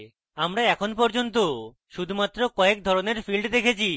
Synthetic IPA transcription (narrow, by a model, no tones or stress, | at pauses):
amɾaɛkʰonpɔɾd͡ʑont̪̬o | ʃud̪ʱumat̪ːɾokɔek̚d̪ʱɔɾoneɾfilɖd̪ekʰet͡ɕʰi